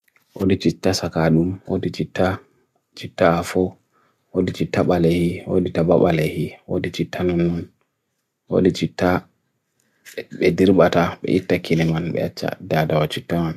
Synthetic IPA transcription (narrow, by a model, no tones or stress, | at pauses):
wodit͡ʃitːasakaɗumwodit͡ʃitːa | t͡ʃitːaafɔ | wodit͡ʃitːaɓalehiwoditabaɓalehiwo̰dit͡ʃitːanunːun | wo̰dit͡ʃitːa | ɓɛdiɾɓataɓɛ̰ʔitːakʰinɛmanɓɛ̰at͡ʃːa̰dadawat͡ʃitːaman